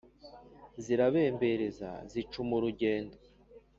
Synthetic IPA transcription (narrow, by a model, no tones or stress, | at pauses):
ziɾaβe̞ːmbe̞ɾe̞za̰zit͡ʃumuɾuɟe̞ːndo